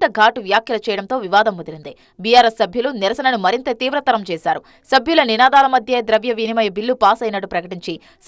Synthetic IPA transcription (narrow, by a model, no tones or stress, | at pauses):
t̪ɐɡʱaːʈuʋjaːkʰjɐlɐt͡ʃɛːjɐɽɐnt̪o̞ːʋiʋaːd̪ɐmːod̪ɐɾund̪i | bijaːɾesːɐbʱjuluniɾɐsɐnɐnumɐɾint̪ɐt̪iːʋɾɐt̪ɐɾɐmt͡ʃɛːsaːɾu | sɐbʱjulɐninaːd̪aːlɐmɐd̪ʱjɐd̪ɾɐʋjɐʋiːnimɐjɐbilːupaːsɐjnɐɽupɾɐkɐʈiɲt͡ʃi | s